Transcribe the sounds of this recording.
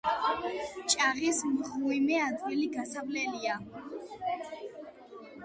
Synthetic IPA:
t͡ʃʼaʁismχuimɛad̪d̪ɡiliɡasablɛlia

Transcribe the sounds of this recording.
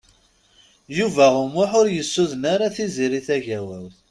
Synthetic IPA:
juvæumːʊħʊɾjəsːuðənaɾaθiziɾiθæʝæwəlθ

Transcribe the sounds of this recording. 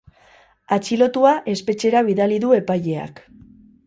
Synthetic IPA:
at͡ʃilo̞t̪uaʔe̞spe̞t͡ʃe̞ɾaβ̞iðaliðue̞paʎe̞a̰k

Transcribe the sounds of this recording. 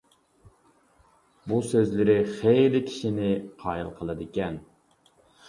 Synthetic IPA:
busøzlɪɾɪχejlɪkʲʰi̥ʃinɪqʰɑːjḭlˠqʰəlˠɨd̪ɪkʲɛn

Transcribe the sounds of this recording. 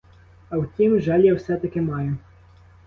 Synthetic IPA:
ɐwtʲimʒɛlʲjawsɛt̪ɐkɪmɑjʊ

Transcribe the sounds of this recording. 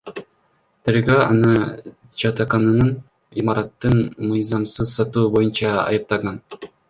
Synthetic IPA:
t̪ʰeɾɡøɑ̰nɯ | d͡ʒɑt̪ɑqɑnɯnɯn | imɑɾɑt̪ːɯnmɯjzɑmsɯzsɑt̪uːbo̞junt͡ʃɑɑ̰jɯp̚t̪ɑʁɑn

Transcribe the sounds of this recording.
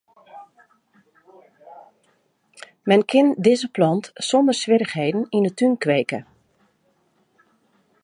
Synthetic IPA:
mɛnkʰɪndɪzəplɑntsɔndəɹsʋɪɾəχɦejdən̩inətynkʋejkə

